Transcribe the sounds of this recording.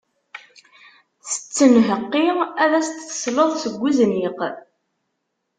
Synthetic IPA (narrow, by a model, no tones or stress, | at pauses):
θə̥t͡sːənɦəqːiæðæst̪ːə̥sləðˤsəɡʷːuzniq